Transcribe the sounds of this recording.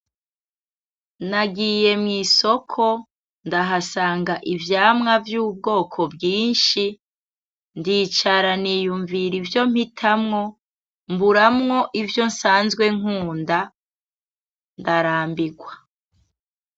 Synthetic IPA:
naɡiːje̞mŋiːso̞kʰo̞ | ndaɦasaːŋɡaʔivjaːmŋavjuːb̚ɡo̞ːkʰo̞bɡiːnʃi | ndiːt͡ʃaɾaniːjuɱviɾivjo̞m̥hitʰamŋo̞ | mbuɾamŋo̞ʔivjo̞nsaːnzɡwe̞ŋuːnda | ndaɾaːmbiɡwa

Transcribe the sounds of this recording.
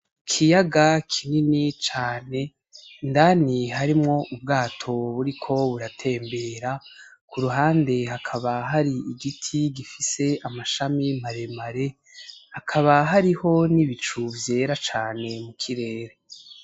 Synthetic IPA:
kʰijaɡakʰininit͡ʃaːne̞ | ndaniɦaɾimŋo̞ʔub̚ɡaːtʰo̞βuɾikʰo̞βuɾatʰe̞ːmbe̞ːɾa | kʰuɾuɦaːnde̞ɦakʰaβaɦaɾiiɡitʰiɡifise̞amaʃamimaɾe̞maɾe̞ | hakʰaβaɦaɾiho̞niβit͡ʃuvje̞ːɾat͡ʃaːne̞mukʰiɾe̞ːɾe

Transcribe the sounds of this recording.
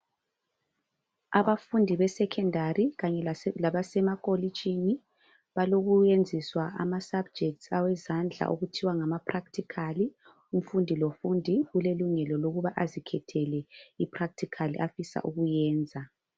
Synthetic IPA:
aβafundʱiβɛsɛkʰɛndʱariɣaɲɛlaβasɛmakʼolit͡ʃʼini | βaloɣujend͡zʱiswaʔa̰masab̚d͡ʒʱɛk̚tsawɛzand͡ɮʱa̰ʔoɣutʰiwaŋamapʰraktʰikʰali | um̩fundʱilofundʱiɣuleluŋɛlɔloɣuβaʔazikʰɛtʰɛlɛipʰrak̚tʰikʰalḭʔafisa̰ʔuɣujɛːnd͡zʱa

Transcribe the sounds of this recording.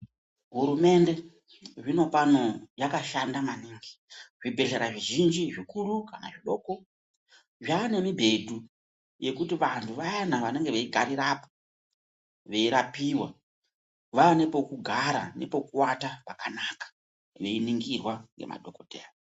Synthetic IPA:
ɦuɾume̞nde̞ | ʐino̞pano̞jakaʃandamaniːŋɡiʐibʱe̞ɮe̞ɾaʐiʒind͡ʒiʐikurukana̰ʐiɗo̞ːko̞ | ʐaːne̞mibʱe̞dʱu | je̞kutiʋantʰuʋajanaʋane̞ŋɡe̞ʋeiɡʱaɾiɾapo̥ | ʋe̞iɾapiwa | ʋaːnepo̞kuɡʱaɾane̞̰po̞kuwatapakanakḁ | ʋe̞iniŋɡirwaŋɡe̞̰ma̰dʱo̞kodʱeːa

